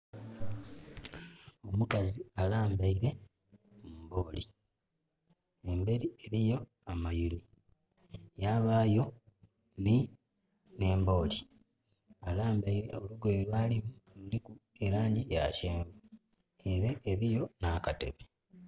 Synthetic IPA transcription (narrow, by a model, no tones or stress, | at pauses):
o̞mukazialaːmbaiɾe̞ | mumbo̞ːli | embe̞ɾie̞ɾijo̞ | amajili | jaβaːjo̞ | ni | ne̞ːmbo̞ːli | alaːmbaiɾe̞̰oluɡwe̞ːlwaːlimululikue̞ɾaːɲɟija̰ːceːmbu | eɾeʔeɾijo̞nakate̞̰βe